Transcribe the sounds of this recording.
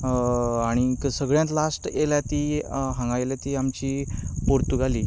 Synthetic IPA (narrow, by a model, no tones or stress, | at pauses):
aɽ̃iksəɡɭjãt̪lasʈeljat̪iːɦə̃ŋɡajljat̪iamt͡ɕiːpoɾt̪uɡʱaliː